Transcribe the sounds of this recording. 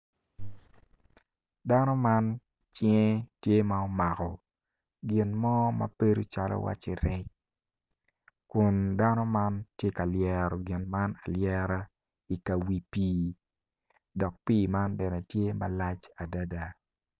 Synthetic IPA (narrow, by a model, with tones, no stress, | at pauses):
da˦nɔ˦ma˦n | t͡ʃjtje˦maɔ˦ma˨kɔ˨ | ɡɪ˨nmɔ˦mɐ̰˨pe˦ɾu˦t͡ʃa˨lɔ̰˦wa̰˦t͡ʃe˨ɾɛ˦t͡ʃ | kʊ˨nda˦nɔ˦ma˦ntje˦ka˨ljɛ˦˨ɾɔ˨ɡɪ˨nma˦na˨ljɛ˦ɾa˦ | i˨ka˨wi˨piː˦ | dɔ˨k̚piː˦ma˦ndɛ˨nɛ˨tje˦ma̰˨la˦t͡ʃa˨da˦da˨